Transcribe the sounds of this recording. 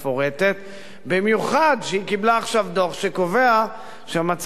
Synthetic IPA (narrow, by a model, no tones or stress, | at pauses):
fo̞ʁe̞t̪e̞t̪ | bimjuχad̪ʃeikiblaːχʃavd̪oχʃeko̞ve̞a | ʃeamat͡s